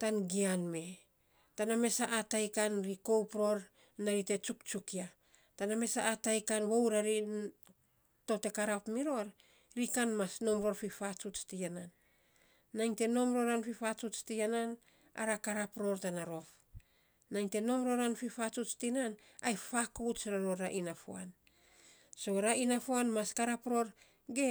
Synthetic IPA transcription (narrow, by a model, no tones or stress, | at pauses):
tanɡianme̞ | taname̞saʔːtajkanɾiko̞wpɾo̞ɾ | naɾite̞t͡ʃukt͡ʃukia | taname̞saːtajkanwowɾaɾi | to̞te̞kaɾapmiɾo̞ɾ | ɾikanmasno̞mɾo̞ɾfifat͡ʃut͡ʃtiananː | ajŋte̞no̞mɾo̞ɾanfifat͡ʃut͡ʃtianan | a̰ɾakaɾapɾo̞ɾtanaɾo̞f | najŋte̞no̞mɾo̞ɾanfifat͡ʃut͡ʃtinan | ajfakowt͡ʃɾaɾoɾaʔinafoa̰n | so̞ɾaʔinafoanmaskaɾapɾo̞ɾ | ɡe̞